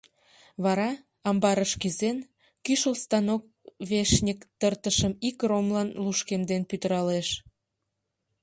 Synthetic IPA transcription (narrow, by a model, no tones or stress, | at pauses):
βɑɾɑ | ɑmbɑɾəʃkizen | kyʃəlst̪ɑnok̚βeʃnʲikt̪ərt̪əʃəmikromlɑnluʃkemd̪enpyt̪əɾɑleʃ